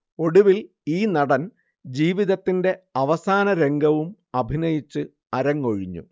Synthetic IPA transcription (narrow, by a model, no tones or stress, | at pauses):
o̞ɽuʋil | iːnɐɽɐn | d͡ʑiːʋiðɐt̪ːinde̞ɐʋɐsaːnɐɾe̞ŋɡɐʋum | ɐbʱinɐjit͡ɕːɨ | ɐɾɐŋːoɻiɲːṵ